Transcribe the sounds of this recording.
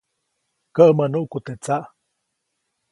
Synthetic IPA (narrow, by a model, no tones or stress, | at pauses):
kəʔmənuʔkut̪et͡saʔ